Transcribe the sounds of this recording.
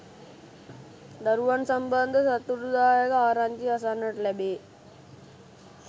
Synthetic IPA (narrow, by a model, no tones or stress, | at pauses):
d̪ɐɾʋɐnsɐmbɐnd̪ʱɐsɐt̪ːuɾud̪aːjɐkɐaːɾand͡ʒiɐsanɐʈlebeː